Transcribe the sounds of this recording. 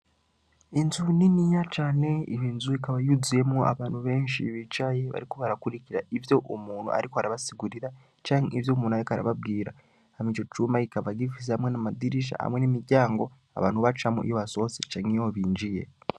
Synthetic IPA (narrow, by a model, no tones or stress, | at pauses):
inzuninijat͡ʃaːne̞iβiːnzuikaβajuzije̞mua̰βaːnhuβe̞ːnʃḭβit͡ʃajeβa̰ɾiko̞βaɾakuɾiciɾaʔivjo̞ʔomuːn̤ṵa̰ɾikohaɾaβasiɡuɾiɾa | t͡ʃaːŋivjo̞ːmuːnajikaɾa̰βaβɡiːɾa̰ | hamit͡ʃo̞t͡ʃuːmaikaβaɡifiz̬ehamwe̞namad̪iɾiʃ̬a̰ha̰mwe̞nimiɾɟaːŋɡo̞ | a̰βa̰ːn̥uβat͡ʃamṵʔḭjoβaso̞set͡ʃaŋijoβiːɲd͡ʒije̞̰